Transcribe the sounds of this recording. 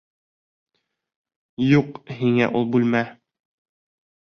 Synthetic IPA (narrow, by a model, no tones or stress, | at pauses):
juqɦiŋæ̰ʔulˠbʉlmæ